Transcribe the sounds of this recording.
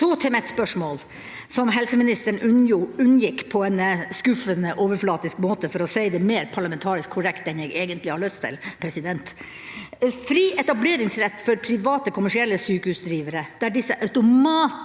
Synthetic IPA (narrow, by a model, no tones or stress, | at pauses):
ɔːt̪ʰɪmɛt̪spœʂmoːl | sɔmɦɛlsəmɪnɪst̪əɳʉʉnːjɪkːpʰɔɛnskʉfənəʔoːʋəɾflɑːt̪ɪskmoːt̪əfɔɾɔsæɪd̪ɛmeːɾpʰɑɭɑmɛnt̪ʰɑːɾɪskʰːʊɾɛkt̪ɛnjɛɪɡeːɡənt̪lɪhɑɭœst̪ʰːɪ̰lpʰɾɛsɪd̪ɛnt̪ | fɾiːʔɛt̪ɑbleːɾɪŋsɾɛt̪ːfɔɾpʰɾɪʋɑːt̪əkʰʊmæʂɪɛlːəsyːkəhʉːsd̪ɾiːʋəɾəd̪̥æɖɪsːəʔɑʉt̪ʊmɑːt̪